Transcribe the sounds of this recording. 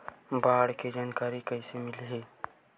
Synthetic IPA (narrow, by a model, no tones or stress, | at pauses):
baːɽked͡ʒaːnkaːɾikəɪsemɪlɦe